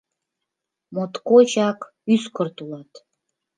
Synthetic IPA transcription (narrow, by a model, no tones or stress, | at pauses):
mot̪kot͡ɕɑk | yskərt̪ulɑt̪